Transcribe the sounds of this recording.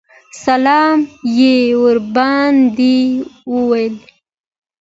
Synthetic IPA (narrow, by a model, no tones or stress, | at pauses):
salɑːmjewʊɾbɑnd̪iwuwajəl